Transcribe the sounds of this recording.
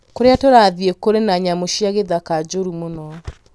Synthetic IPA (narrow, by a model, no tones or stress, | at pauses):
koɾeatoɾaðiekoɾenaɲamoʃijaɣeðakad͡ʒoɾumonɔ